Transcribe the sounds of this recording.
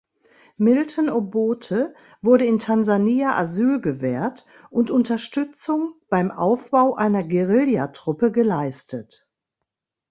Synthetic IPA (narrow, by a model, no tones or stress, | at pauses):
mɪltʰənoboːtʰə | vʊɐɾəɪntʰanzaniːaʔazyːlɡəvɛːɐt | ʔʊntʔʊntɐʃtʏt͡sʊŋb̥aɪmʔaʊfb̥aʊʔaɪnɐɡeʁɪljatʁ̥ʊpəɡəlaɪstʰət